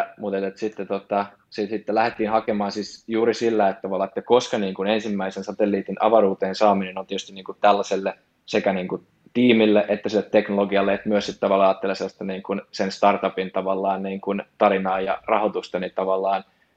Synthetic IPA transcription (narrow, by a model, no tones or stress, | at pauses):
mut̪et̪et̪sit̪ːet̪ot̪ɑ | sit̪sit̪ːelæhet̪ːiːnhɑkemɑːsiːsjuːɾisilːæet̪ːɑʋɑlːɑːet̪ːækoskɑniːŋkunensimːæisensɑt̪elːiːt̪inɑ̰ʋɑruːt̪eːnsɑːminenont̪iet̪yst̪iniːŋkut̪t̪ælːæselːe | sekæniːŋku | t̪iːmilːeʔet̪ːæsilːet̪teknoloɡiɑlːeet̪myøssit̪t̪ɑʋɑlːɑɑːt̪ːeleselːst̪ɑniːŋkunsenst̪ɑrt̪ɑpint̪ɑʋɑlːɑːnniːŋkunt̪ɑɾinɑːjɑ̰rɑhot̪ust̪ɑnit̪ɑʋɑlːɑːn